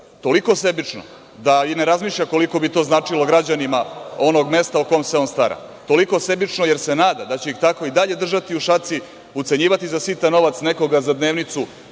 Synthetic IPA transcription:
t̪o̞liko̞se̞bit͡ʂno̰ | d̪aine̞ɾazmiːʃʎako̞liko̞bit̪o̞znaːt͡ʂilo̞ɡɾad͡ʑanimao̞no̞ɡme̞st̪auko̞jmse̞onst̪aɾa̰ | t̪o̞liko̞se̞bit͡ʂnoje̞ɾsenaːd̪ad̪at͡ɕeixt̪ako̞id̪aʎe̞d̪r̩ʒat̪iuʃat̪si | ut̪se̞ɲiːʋat̪izasit̪ano̞ʋat̪sne̞ko̞ɡazad̪ne̞ːʋnit̪su

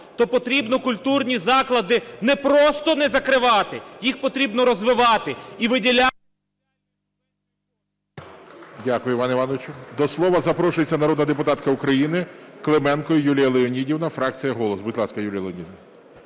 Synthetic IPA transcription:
t̪ɔpɔt̪ɾʲibnɔkʊlʲt̪urnʲizɑklˠɐd̪ɪnɛpɾɔst̪ɔnɛzɐkɾɪʋɑt̪ɪjixpɔt̪ɾʲibnɔɾɔzʋɪʋɑt̪ɪiʋɪdʲilʲa | dʲakʊjʊʋɑnɐɪiʋɑnɔʋɪt͡ʃʊd̪ɔslˠɔʋɐzɐpɾɔʃʊjet͡sʲːɐnɐɾɔd̪nɐd̪epʊt̪ɑt̪kɐʊkɾɐjinɪklˠemɛnkɔjʊjulʲijɐlˠeɔnʲidʲiwnɐfɾɑkt͡sʲijɐɦɔlˠɔsbʊd̪ʲlˠɑskɐjulʲijɐleɔnʲidʲiw

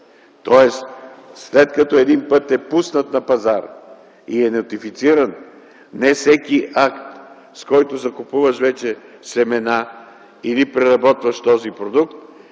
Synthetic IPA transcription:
t̪ɔɛsslɛt̪kɐt̪ɔɛd̪inpɤt̪ɛpusnət̪nɐpɐzaɾ | iɛnɛt̪ifit̪siɾɐn | nɛsɛkiʔakt̪ | skɔjt̪ozɐkʊpuvəʃvɛt͡ʃɛsɛmɛna | inipɾɛɾɐbɔt̪vɐʃt̪ɔzipɾod̪ukt̪̚

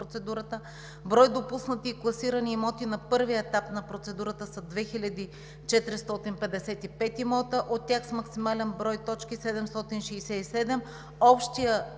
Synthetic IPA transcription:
ot̪sɛd̪uɾət̪ə | bɾɔjd̪opusnət̪iːklˠɐsiɾəniːmɔt̪inɐpɤɾviəɛt̪apnɐpɾot̪sɛd̪uɾət̪əsɐd̪vɛxilʲɐd̪i | t͡ʃɛt̪ɾist̪ɔt̪inpɛd̪ɛsɛt̪ipɛt̪imɔt̪əʔot̪ːʲjaxsmɐksimalɛnbɾɔjt̪ɔt͡ʃkisɛd̪ɛmst̪ɔt̪inʃɛːsɛisɛd̪ɛm | ɔpʃt̪ijə

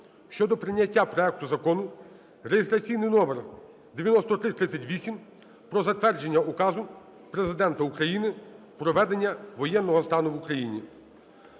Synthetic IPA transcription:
ʃt͡ʃɔd̪ɔpɾɪnʲːɐtʲːapɾɔɛk̚t̪ʊzɐkɔnʊ | rejist̪ɾɐsʲijnɪjnɔmer | d̪eʋʲjɐnɔst̪ɔt̪ɾɪt̪ɾɪt̪sʲɐtʲʋʲisʲim | pɾɔzɐt̪ʋɛrd͡ʒe̞nʲːɐʔukɑzʊ | pɾe̞zɪd̪ɛnt̪ɐukɾɐjinɪ | pɾɔʋɛd̪e̞nʲːɐʋɔjɛnːɔɦɔst̪ɑnʊʋukɾɐjinʲi

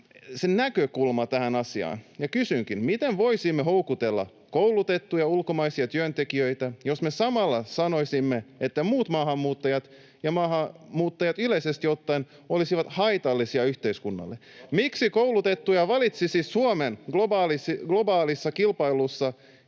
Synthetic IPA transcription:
senækøkulmɑt̪æhænɑsiɑ̰ːnjɑkysyŋkinmit̪enʋoisimːeɦoukut̪elːɑ̰ | kouwlut̪et̪ːujɑulkomɑisiɑt̪yønt̪ekiøit̪æjosmesɑmɑlːɑsɑnoisimːeet̪ːæmuːt̪mɑːhɑmːuːt̪ːɑjɑt̪ | jɑmɑːhɑmuːt̪ːɑjɑt̪yleisest̪iot̪ːɑin | olisiʋɑt̪hɑit̪ɑlːisiɑyht̪eiskunːɑ̰lːemiksikoulut̪et̪ːujɑʋɑlit̪sisissuomenɡ̥lobɑːlisiɡ̥lobɑːlisːɑkilpɑilusːɑ

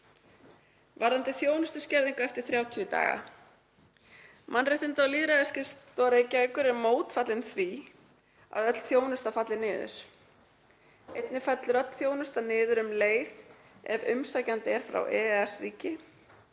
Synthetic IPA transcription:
vaɾðant̪ɪθjoːwnʏst̪ʏscɛɾðiŋkaɛft̪ɪ̥ɾ̥θɾjaːwt̪ʰʏt̪a̰ːɣa̰ | mʔanrejht̪ɪnt̪awliːðɾaðɪscɪstt̪ɔɾejcakːʏɾɛɾmoːwt̪fat̪lɪnθvi | a̰ðœt̪l̥θjoːwnʏst̪afat̪lɪnɪːðʏ̰ɾ̥ | ejt̪nɪfɛt̪lɾœt̪θjoːwnʏst̪anɪːðʏɾʏmleːjð | ɛ̰vʏmsaːjcant̪ɪɛɾ̥fɾa̰wʔɛːɛsriːcɪ

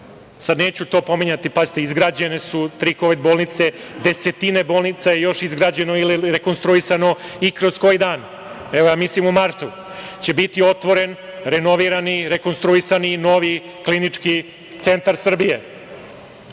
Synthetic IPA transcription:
sad̪ne̞ːt͡ɕut̪o̞ːpo̞miɲat̪ipazit̪eizɡɾaːd͡ʑe̞nesut̪ɾikoʋed̪boːlˠnit̪se̞d̪e̞se̞t̪inebo̞ːlˠnit̪sajejo̞ʃizɡɾaːd͡ʑe̞noiliɾe̞ko̞nst̪ɾuisano̞ikɾo̞sko̞jid̪aːn | eʋojaːmislimumaɾt̪u | t͡ɕe̞bit̪io̞t̪ʋo̞ɾe̞nɾeno̞ʋiɾaniɾeko̞nst̪ɾuisanino̞ʋi | klinit͡ʂki | t̪se̞nt̪aɾsr̩bije̞

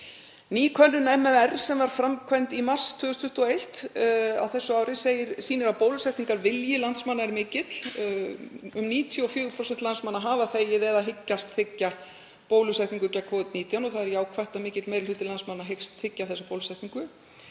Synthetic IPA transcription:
niːkʰœnːʏnɛmɛɛrsɛmvaɾ̥fɾamkʰvɛjnt̪imar̥st̪ʰʏːɣʏst̪ʰʏht̪uɔejht̪a̰wθɛsːʏawɾɪseːjɪɾsiːnɪɾapoːwlʏsajht̪iŋkaɾvɪljɪlant̪smanːaɛɾmɪːcɪt̪l | ʏmniːt̪ʰjɔfjʏːɣʏpʰɾɔsɛnt̪lansmanːaɦaːvaθeːjɪðɛːðaɦɪcːast̪θɪcːa | poːwlʏsajht̪niŋkʏcakʰɔːvɪt̪̚niːt̪janɔθaðɛɾjaːwkʰvɛht̪amɪːcɪt̪lmejɾɪlʏt̪ɪlansmanːaɦejkst̪θɪcːaθɛsapowlsajht̪niŋkʏ

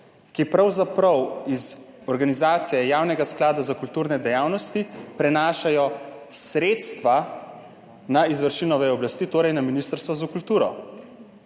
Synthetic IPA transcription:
kipɾawzapɾɐwiz | ɔɾɡanizaːt̪sijɛjaːwnɛɡasklaːd̪azakult̪uːɾnɛd̪ɛjaːwnɔst̪ipɾɛnaːʃajɔsɾeːt̪st̪ʋa | naizʋəɾʃiːnɔʋɛɔblast̪iːt̪oːɾɛjnaminist̪əɾst̪ʋɔzakult̪uːɾɔ̰

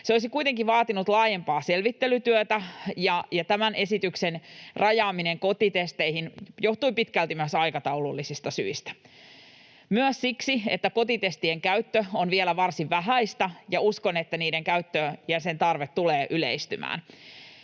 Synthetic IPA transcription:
seoisikujt̪eŋkiʋɑːt̪inut̪lɑːje̞mpɑːse̞lʋit̪ːelyt̪yøt̪æjɑjɑt̪æmænʔe̞sit̪yksenrʔɑjɑːmineŋko̞t̪it̪e̞st̪eihinjo̞ht̪uipit̪kælt̪imøsɑjkɑt̪ɑwlulːisist̪ɑsy̰ist̪æ̥ | myøssiksiet̪ːæko̞t̪it̪e̞st̪ieŋkæyɥt̪ːøonʋielæʋɑrsiʋʋæɦæist̪ɑjɑuskone̞t̪ːæniːdeŋkæyt̪ːøjæse̞nt̪ɑrʋet̪tuleːʔylḛist̪ymæ̰ːn

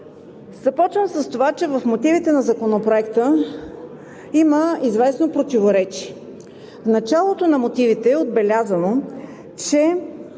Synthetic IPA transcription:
z̥ɐpɔt͡ʃvəmsəst̪ovat͡ʃɛvəfmot̪ivit̪ɛnɐzɐkonopɾoɛkt̪ə | iməizvɛsnopɾot̪ivoɾɛt͡ʃiɛ | vnɐt͡ʃalˠot̪onɐmot̪ivit̪ɛːod̪̚bɛlʲazəno | t͡ʃɛ

